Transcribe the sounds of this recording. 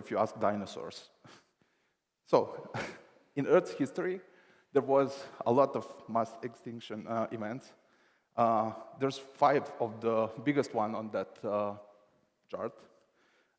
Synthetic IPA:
ifjuask̚daɪnəsɔ̰ɹs | soʊ | ɪ̃nɜ˞thɪstɔɹi | d̪əɹwɔzə̰lɔtɔvmasɛkstɪ̃ŋkʃə̃nivɛ̃nts | d̪ɛɹz̥faɪvɔvðəbɪɡəstwãnɔ̃nd̪ət | t͡ʃa̰ɹt̪

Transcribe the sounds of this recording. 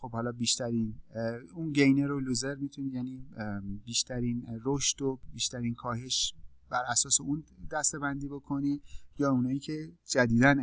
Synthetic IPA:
xo̞b̥hɒːlɒːbiːʃt̪æɾiːnunɟejneɾoluzeɾmit̪ʰunijæniːbiːʃt̪ʰæɾiːnroʃt̪obiːʃt̪æɾiːnkʰɒːɦe̞ʃb̥æɾæsɒːseund̪æst̪e̞bænd̪iːbo̞kʰo̞nijɒːunɒːjiːcʰe̞d͡ʒæd̪iːd̪æn

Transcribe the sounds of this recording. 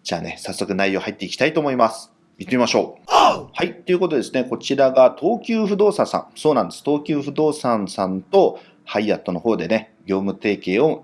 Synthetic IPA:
d͡ʑa̰ːne̞sasːo̞kɯ̟naijo̞ːhait̪ːe̞ikʲi̥t̪ait̪oːmo̞imasɨ̥ | ɯt̪ːemimaɕo̞ːhait̪ːo̞iɯ̟kot̪o̞d̪esɨne̞ko̞t͡ɕiɾaɡat̪ʰo̞ːkʲɨːɸɯ̟d̪o̞ːsasã̰ɴso̞ːnãnd̪e̞sɨ̥t̪o̞ːkʲɨːɸɯ̟d̪o̞ːsãɰ̃sãnt̪o̞ | haiat̪ːo̞no̞ho̞ːd̪e̞ne̞ɡʲo̞ːmɯ̟t̪e̞ːke̞ːo

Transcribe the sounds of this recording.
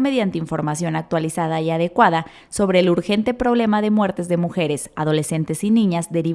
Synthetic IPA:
me̞ðjant̪eiɱfo̞ɾmasjo̞nak̚t̪walisað̞aiað̞e̞kwaða | so̞βɾe̞ːluɾxe̞nt̪e̞pɾo̞βle̞maðe̞mwe̞ɾt̪e̞zðe̞muxe̞ɾe̞saðo̞le̞se̞nt̪e̞sinĩɲazd̪e̞ɾi

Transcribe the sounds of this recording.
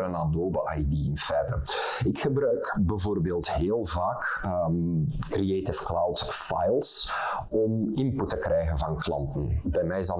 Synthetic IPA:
ɾənadoːbəʔajdiɪnfɛːtəɪkxəbɾœɥkbəvoːrbeːlˠtɦeːlˠvaːkəkrieːtɪfklawt | fa̰jlˠs | ɔmɪmputːəkrɛjɣənvɑnklɑntənbɛjmɛjzɑ

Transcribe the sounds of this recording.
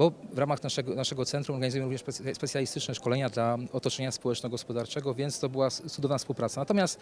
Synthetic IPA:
bɔvɾamaxnaʂɛɡɔnaʂɛɡɔt̪sɛnt̪ɾumɔɾɡaɲizujɛmɾuvɲɛʂɛspɛt̪sjalʲist̪ɘt͡ʂnɛʂkɔlɛɲad̪laɔt̪ɔt͡ʂɛɲaspɔwɛt͡ʂnɔɡɔspɔd̪aɾt͡ʂɛɡɔvʲjɛnt̪st̪ɔbɘwat̪sud̪ɔvnafspuwpɾat̪sanat̪ɔmjast̪

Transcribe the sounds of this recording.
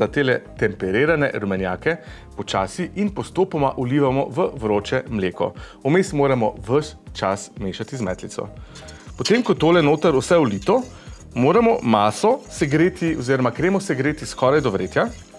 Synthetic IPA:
at̪eːlɛt̪ɛmpɛɾeːɾanɛɾumɛnja̰ːkɛ | pɔt͡ʃaːsiʔinpɔst̪oːpɔma̰ʔuliːʋamɔ̰ʋəʋɾoːt͡ʃɛmleːkɔ̰ | umesmoːɾamɔ̰ʋəʃt͡ʃasmeːʃat̪izmɛ̰t̪lit̪sɔ̰ | pɔt̪emkɔt̪oːlɛnoːt̪əɾusɛulit̪ɔ | moːɾamɔmaːsɔsɛɡɾeːt̪iɔziːɾɔmakɾeːmɔsɛɡɾeːt̪iskɔɾajd̪ɔʋɾeːt̪ja

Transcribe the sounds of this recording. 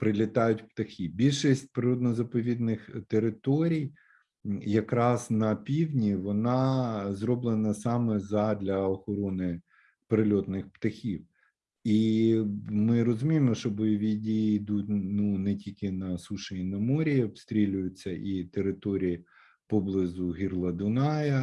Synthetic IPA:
pɾɪlʲɪt̪ɑjʊtʲpt̪ɐxʲibʲilʲʃisʲt̚ʲpɾɪɾɔd̪nɔzɐpɔʋʲid̪nɪxt̪eɾɪt̪ɔɾʲij | jɐkɾɑznɐpʲiwʲnʲiʋɔnɑzrɔblˠenɐsɑmɛzɐd̪lʲɐɔxɔɾɔnɪ | peɾɪlʲɔt̪nɪxpt̪ɐxʲiw | i | mɪɾɔzʊmʲijmɔʃt͡ʃɔbɔjɔʋʲidʲijiːd̪utʲnunɛtʲilʲkɪnɐsuʃeinɐmɔɾʲiɔbst̪ɾʲilʲʊjʊt͡sʲːɐʔit̪eɾɪt̪ɔɾʲiji | pɔblˠɪzʊɦʲirlˠɐd̪ʊnɑjɐ

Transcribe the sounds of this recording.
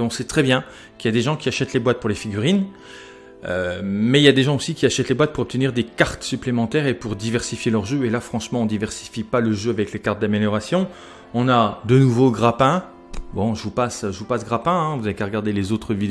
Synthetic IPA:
ɔ̃sɛt̪χɛbjɛ̃ | kiljad̪eʒɑ̃kʲiaʃɛt̪lebwat̪̚puʁlefiɡʲyʁin | ømɛiljad̪eʒɑ̃osikʲiaʃɛt̪lebwat̪̚puʁɔp̚t̪əniʁd̪ekaʁt̪syplemɑ̃t̪ɛʁepuʁd̪ivɛʁsifjelœʁʒøelafχɑ̃ʃmɑ̃ɔ̃d̪ivɛʁsi̥fipaləʒøavɛklekaʁt̪̚d̪ameljɔʁasjɔ̃ | ɔ̃nad̪ənuvoɡʁapɛ̃ | bɔ̃ʒəvupasʒəvupasɡʁapɛ̃ɛ̃vuzaekaʁəɡaʁd̪elezot̪χəvi

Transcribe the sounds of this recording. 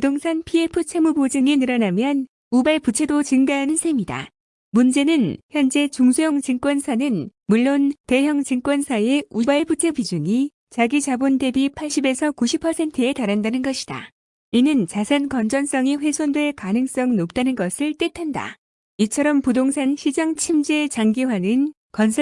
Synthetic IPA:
pudoŋsʰanpʰie̞pʰut͡ɕʰe̞mubod͡ʑɯŋinɯɾʌnamjʌn | ubaɭput͡ɕʰe̞dot͡ɕɯŋɡaɦanɯnsʰemida̰ | mund͡ʑe̞nɯnçjʌnd͡ʑe̞t͡ɕuŋsʰujʌŋt͡ɕɯŋk͈wʌnsʰanɯnmuɭːonte̞jʌŋt͡ɕɯŋk͈wʌnsʰae̞ubaɭbut͡ɕʰebid͡ʑuŋi | t͡ɕaɡit͡ɕabunde̞bipʰaɭɕ͈ibe̞sʰʌkuɕʰipʰːʌsʰe̞ntʰɯe̞taɾandanɯnɡʌɕʰid̥a̰ | inɯnt͡ɕasʰankʌnd͡ʑʌns͈ʌŋiɸwe̞sʰondwe̞ɭkanɯŋs͈ʌŋnop̚t͈anɯnɡʌsʰɯɭt͈etʰanda̰ | it͡ɕʰʌɾʌmpudoŋsʰanɕʰid͡ʑʌŋt͡ɕʰimd͡ʑet͡ɕaŋɡiwanɯn | kʌnsʰʌ

